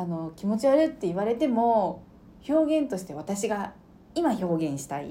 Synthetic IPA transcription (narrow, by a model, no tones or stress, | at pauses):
ano̞kʲimo̞t͡ɕiaɾɯ̟t̪ːe̞iβ̞aɾe̞t̪e̞mo̞ | ço̞ːɡẽ̞nt̪o̞ɕi̥t̪e̞βat̪aɕiɡa | imaço̞ːɡẽ̞ɰ̃ɕi̥t̪aḭ